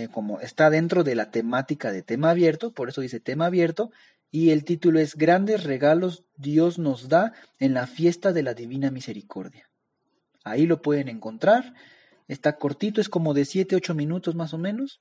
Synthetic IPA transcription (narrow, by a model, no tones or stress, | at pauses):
ko̞moest̪aðe̞nt̪ɾo̞ðe̞lat̪e̞mat̪ikaðet̪e̞maːβje̞ɾt̪opo̞ɾe̞so̞ðise̞t̪e̞maːβje̞ɾt̪o̞ | ie̞lt̪it̪uloe̞zɡɾand̪e̞sre̞ɣalo̞z | d̪jo̞zno̞zða | e̞nlafje̞st̪aðe̞laðiβinamise̞ɾikʰo̞̰ɾðja | ailo̞pwe̞ð̞e̞ne̞ŋko̞nt̪ɾaɾ | e̞st̪ako̞ɾt̪it̪̬o̞e̞sko̞mo̞ðe̞sje̞t̪eo̞t͡ʃo̞mĩnut̪o̞zmaso̞mẽ̞no̞s